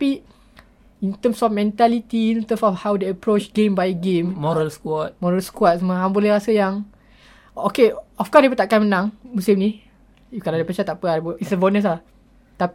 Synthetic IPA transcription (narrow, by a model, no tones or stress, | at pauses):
pi | int̪əmsɔfmɛ̃nt̪alit̪iːnt̪ə̃msɔfhawdeəpɾot͡ʃɡẽmbajɡemmɔɾəlskwɔt̪̚mɔɹalskwat̪̚səməɦaŋbolɛhɾasəjaŋ | okeɔfkɔsdebət̪aʔkanmənãŋmusɪmni | kaladepət͡ʃat̪ːaʔpəadbəisəbonə̃s̬lah | t̪a